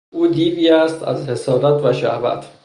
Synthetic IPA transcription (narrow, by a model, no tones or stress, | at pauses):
uːd̪iːviːæst̪æ̰zhe̞sɒːɾæt̪ʰvæʃæ̰hvæ̰t̪ʰ